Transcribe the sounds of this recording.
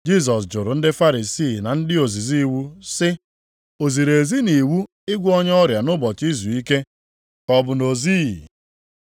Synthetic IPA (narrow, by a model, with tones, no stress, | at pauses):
d͡ʒi˦s̬ɔ˨sd͡ʒʊ˨ɾʊ˨n̩˦dɪ˦fa˦ɾi˨si˦˨na˨n̩˦dɪ˦o˨zi˨zi˦wu˦sɪ˦ | o˨zi˨ɾe˨zi˦ni˨wu˦ | ɪ˦ɡʷɔ˦ɲ˦ɔ˦ɾja˨nʊ˦bɔ˨t͡ʃi˦zu˨i˦ke˦ | kɔ˨bʊ˨no˨zi˦˨